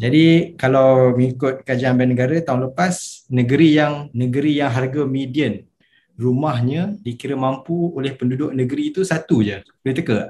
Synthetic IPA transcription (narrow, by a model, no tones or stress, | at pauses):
d͡ʒadikalawməŋikʊt̪̚kəad͡ʒaanbanːəɡaɾat̪aʊŋləpasnəɡəɾijaŋnəɡəɾijaŋɦarɡamidiən | rumaɦɲə̃dikiɾəmãmpuolɛhpəndudʊʔ̚nə̃ɡəɾiːt̪usat̪ud͡ʒəblit̪əkəʔ